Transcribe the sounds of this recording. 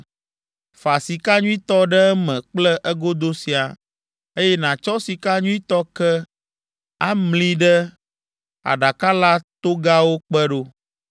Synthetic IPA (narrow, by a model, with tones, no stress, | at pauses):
fa˨si˨ka˦ɲũ˦i˦t̪ɔ˦ɖɛ˦mɛ̃˨k͡plɛ˦ʔɛ˦ɡo˦d̪o˦si˨a˨ | e˦jɛ˦nã˨t͡ʃɔ˦si˨ka˦ɲũ˦i˦t̪ɔ˦kɛ˦ | a˦mlĩ˦ɖɛ˦ | a̰˨ɖa˨ka˦la˦t̪o˦ɡa˦wo˦k͡pɛ˦ɖo˦